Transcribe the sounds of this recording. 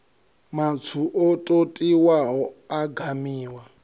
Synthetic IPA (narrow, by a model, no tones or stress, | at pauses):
mat͡sʰuʔɔtʼotʼiwaɦɔaɡʱamiːwa